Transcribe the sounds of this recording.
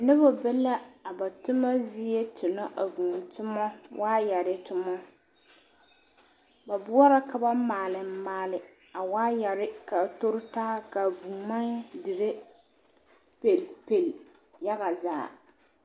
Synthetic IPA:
nɪ˦βɔ˦bɛ˦la˦a˨ba˨tʊ˦ma˦zi˦je˦tʰʊ˨na˦ʔa˨vu˨n˨tʊ˦mɔ˦waː˦ja˨ɾɪ˦tʊ˦mɔ˦ | ba˨bʊ˦ɔ˦ɾa˦ka˨ba˦maː˨lɪ˨m̩˦maː˦lɪ˨ | a˨waː˦ja˨ɾɪ˦ka˨tʊ˦ɾɪ˦taː˦ka˨vu˨ma˦ndɪ˨ɾe˦ | pe˨lpe˨l | ja˦ɣa˨za̰ː˨

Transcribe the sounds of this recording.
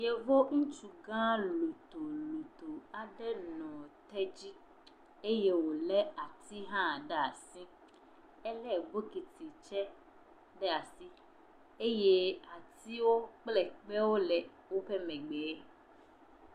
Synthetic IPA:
je˦vo˦ŋũ˦t͡ʃu˨ɡã˦lu˨t̪o˨lu˨t̪o˨a˨ɖe˦nɔ̃˨t̪ɛ˦d͡ʑi˦ | e˦je˦wo˨lɛ˦a˨t̪i˦ɦã˦˨ɖɛ˦a˨sĩ˦ | ɛ˦lɛ˦˨ɡ͡bo˦ki˨t̪i˨t͡ʃɛ˦ | ɖɛ˦a˨si˦ | e˦je˦a˨t̪i˦wo˦k͡plɛ˨k͡pe˦wo˦lɛ˨ | wo˦ɸɛ˦mɛ̃˨ɡ͡be˨˦

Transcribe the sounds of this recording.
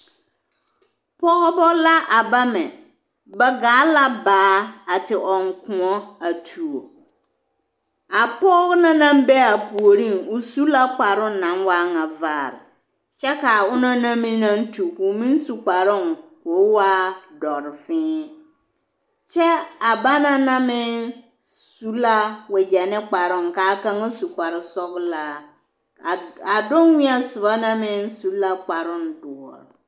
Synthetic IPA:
pʰɔ˦ɣɔ˦bɔ˦la˦ʔa˨ba˦mɛ̃˨ | bɛ˦ɡaː˨˦la˦baː˨˦a˨tɪ˨ʔɔ˨ŋ˨kʰʊ̃˨ɔ˦a˨tʰu˨o˨ | a˨pɔ˦ɣnã˦nã˦m˦bɛ˦a˨pʰu˨o˨ɾĩ˦˨nʊ˦su˦la˦k͡pa˨ɾʊ̃˦n̩˦˨nã˨n˦wa˦ŋã˨vaː˦˨ɾɪ̰˨ | ɕɛ˦ka˨wʊ˦nã˦nã˦mĩ˦nã˦n˦tʰu˨ku˨mĩ˦n˦su˨k͡pa˨ɾɪ̃˦n˨kʊ˨˦wa˦dɔ˨ɾfɪ̃ː˦ | t͡ʃɛ˦a˨ba˦nã˦nã˦mɪ̃˦n | su˦la˦wɛ˨d͡ʑɛ˨nɪ̃˦k͡pa˨ɾʊ̃˦ŋ˨kaː˨˦kã˦ŋa˦su˨kʷa˨ɾɪ˨sɔ˦ɡla˦˨ | a˨dʊ̃˦n˦ɲĩ˦a˨sʊ˨ba˦nã˦mɪ̃˦nsu˨˦la˦k͡pa˨ɾʊ̃˦n˨dʊ˨ɔ̰˨ɾ

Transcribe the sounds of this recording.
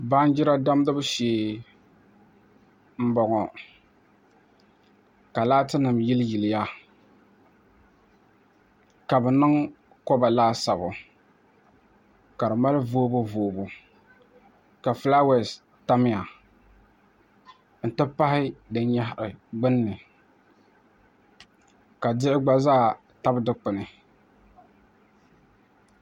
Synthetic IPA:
ba˦nd͡ʒɪ˦ɾa˦da˦m˦dɨ˦bɨ˦ʃeː˨ | m̩˦bɔ˨ŋɔ˨ | ka˨laː˦tɨ˦nɨ˨mji˦lji˨lɪ˨ja˦ | ka˨bɛ˨nɨ˦ŋ | kɔ˦ba˨laː˦sa˨bʊ˨ | ka˨ɾɨ˨ma˦lɨ˦voː˦bʊ˦voː˨bʊ˨ | ka˨fla˦wɛ˨s | ta˦mɪ˦a˨ | n̩˨tɨ˦pa˦hɪ˦dɨ˦n˦ɲa˦hʔɪ˨ɡ͡bɨ˦nː˦ɨ˨ | ka˨dɪ˦ʔɪ˦ɡ͡ba˦zaː˦˨ | ta˦bdɨ˦k͡pɨ˨nɨ˨

